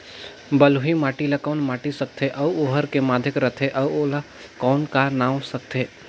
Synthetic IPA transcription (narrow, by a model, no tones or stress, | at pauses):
bəlɦimaːʈilakɔːnmaːʈisək̚t̪ʰeʔɐoːɦəɾkemaːd̪ʱɪkɾət̪ʰeʔɐoːla | kɔːnkanaːwsɐk̚t̪ʰeː